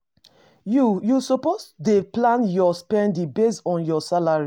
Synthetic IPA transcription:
jujusɔposdeplãnjɔspɛ̃ndibesɔ̃njɔsalaɹi

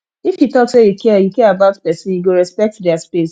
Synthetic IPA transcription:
ifjutɔtsejukʰɛɛjukɛɛabaʊtpɛsĩnjuɡoɹɛspɛk̚tdɛaspes

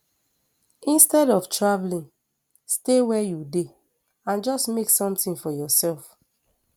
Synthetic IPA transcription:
ĩnstɛɾɔftʰɹavlĩŋ | stewɛjude | ãnd͡ʒɔsmeksɔ̃mtĩnfɔjɔsɛlf

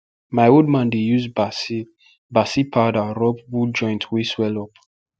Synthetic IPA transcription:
maɪold̚mãndejuzbas | basipʰadaɹɔb̚wud͡ʒɔ̃j̃ntʰwiswɛlɔp

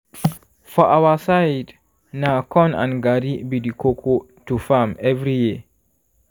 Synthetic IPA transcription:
fɔʔawasajd | nakʰɔ̃nã̰nɡaɾibidikʰokʰo | tufamɛvɾiji

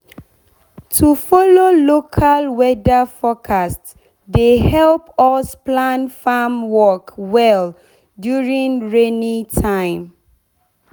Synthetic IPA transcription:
tʰufɔlolokʰalwɛdafɔkʰast | dehɛlpɔsplãnfamwɔkwɛl | djuɹĩŋɹenitʰãɪ̃m

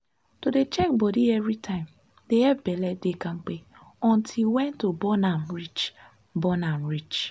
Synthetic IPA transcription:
todet͡ʃɛk̚bɔdievɾitʰãɪ̃m | deɛbelɛdekaŋ͡m̩k͡pe | ɔn̩tʰiwɛ̃ntobɔnamɾit͡ʃ | bɔnamɾit͡ʃ

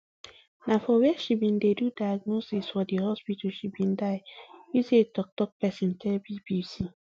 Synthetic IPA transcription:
nafɔwɛʃibĩndedudajaɡ̚nosisfɔdehɔspitaʃibĩndaɪjusetɔk̚tɔk̚pɛsĩntalbibisi

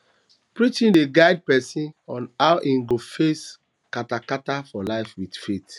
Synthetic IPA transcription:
pɹit͡ʃĩndeɡaɪd̚pɛsĩnɔ̃naʊʔĩŋɡofes | katakatafɔlaɪfwidfet

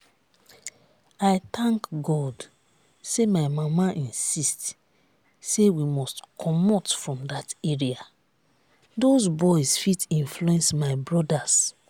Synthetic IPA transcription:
aɪtãŋkɡɔd | semaɪmamaʔĩnsist | sewimɔstkʰɔmɔtfɹɔ̃mdateɹia | dozbɔɪsfitĩnfluɛ̃nsmaɪbɹɔdas

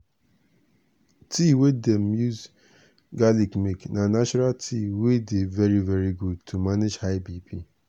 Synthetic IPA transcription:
tʰiwedemjuz | ɡalikmiknanat͡ʃɔɾaltʰiwedevɛɹivɛɹiɡud̚tʰumaned͡ʒhaɪbipʰi

